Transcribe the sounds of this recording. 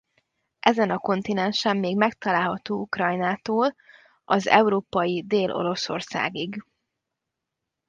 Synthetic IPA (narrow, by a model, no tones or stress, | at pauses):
ʔɛzɛnɒko̞nt̪inɛnʃɛmːeːɡmɛk̚t̪ɒlaːlɦɒt̪oːukrɒjnaːt̪oːl | ɒzɛ̰uɾoːpɒjid̪eːlʔo̞̰ɾo̞so̞̰rsa̰ːɡiɡ